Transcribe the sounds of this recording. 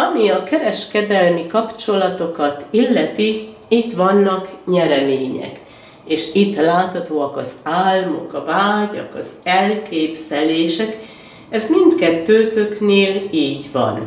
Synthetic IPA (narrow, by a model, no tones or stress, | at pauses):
ɒmiɒkɛɾɛʃkɛd̪ɛlmikɒpt͡ʃo̞lɒt̪o̞kɒt̪ilːɛt̪i | it̪ʋɒnːɒkɲɛɾɛmeːɲɛ̰k | eːʃit̪ːlaːt̪hɒt̪oːɒkɒzaːlmo̞̰kɒvaːɟɒ̰kɒzɛlkeːbz̥ɛleːʃɛk | ɛzmint̪kɛt̪ːøːt̪økneːliːɟʋɒ̰n